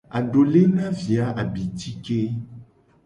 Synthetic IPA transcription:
a˨ɖo˨le˦nã˦vi˨a˨˦ʔa˨bi˨ti˦ke˦

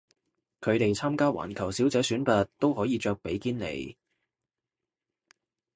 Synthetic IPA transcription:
kʰɵ˨˧ɥt̪e˨jt͡sʰaː˥mkaː˥wa̰ː˨˩nkʰɐ˨˩wsiː˨˥wt͡sɛː˨˥syː˨˥npɐ˨tt̪o˥whɔː˨˥jiː˨˧t͡ʃœː˧k̚pe˨˥jkiː˥nnḛ˨˧j

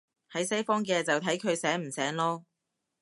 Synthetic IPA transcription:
hɐ˨˥jsɐ˥jfɔː˥ŋkɛː˧t͡sɐ˨wt̪ʰɐ˨˥jkʰɵ˨˧ɥsɛː˨˥m̩˨˩sɛː˨˥ŋlɔː˥

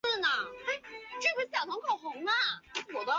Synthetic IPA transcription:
nə˩a˥˩ɪʈ͡ʂɤ˥˩xə˧˥ɕjɑ˨˩ʊt̪ʰʊ˧˥ŋkʰo˨˩xʊ˧˥ŋnə˥˧wɔ˨˩d̪ə˦˥

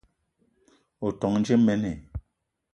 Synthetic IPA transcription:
o˨tɔ˨ŋn˦d͡ʒe˦mɛ˦ne˨

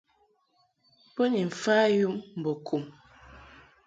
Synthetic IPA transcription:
pə˦ni˨ɱ̩˨faː˦ju˦mm̩˨bɔ˨kʰu˨m

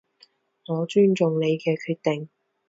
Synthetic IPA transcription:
ŋɔː˨˧t͡ʃyː˥nt͡ʃʊ˨ŋle˨˧jkɛː˧kʰyː˧t̚t̪ɪ˨ŋ

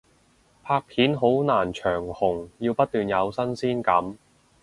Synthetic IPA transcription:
pʰaː˧k̚pʰiː˨˥nɦo˨˥wnaː˨˩nt͡ʃʰœː˨˩ŋhʊ˨˩ŋjiː˧wpɐ˥t̚t̪yː˨njɐ˨˧wsɐ˥nsiː˥nkɐ˨˧˥m

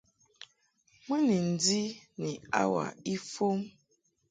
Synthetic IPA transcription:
mə˦ni˨n̩˨di˦ni˨a˦wa̰˨i˦fo˦m

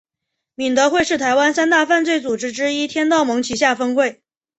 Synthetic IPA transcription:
mi˨˩nt̪ɤ˧˥xwe˥˧ɪʂɻ̩˥˩t̪ʰa˧˥ɪwa˥nsa˥nt̪a˥˧fa˥˧nt͡swe˥˩ɪt͡su˨˩ʈ͡ʂɻ̩˥ʈ͡ʂɻ̩˥i˥t̪ʰjɛ˥nt̪ɑ˥˩ʊmɤ˧˥ŋt͡ɕʰi˨˩ɕ̬ja˥˩fə˥ŋkwe˥˩ɪ

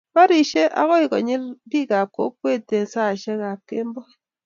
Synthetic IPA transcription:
ma˦ɾi˨ʃe˦ʔa̰˨˦ɣɔ˦ɪ˨kɔ̰˨ɲɪ˦lbi˦ka˨ko̰˦p̚we˦˨te˨nsa˦˨ʃɛ˦ka˨kːe˦mbɔ˦

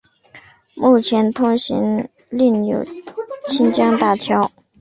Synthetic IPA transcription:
mu˥˩t͡ɕʰjɛ˧˥nt̪ʰʊ˥ŋɕḭ˧˥ŋ | li˥˩njo̰˨˩ʊt͡ɕʰi˥nt͡ɕjɑ˥ŋt̪a˥˩t͡ɕʰjɑ˥ʊ

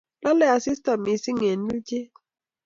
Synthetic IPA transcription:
la˦lɛ˦˨a˨si˦sta˨mi˨si˦ŋe˨n˦u˦d͡ʒe˦

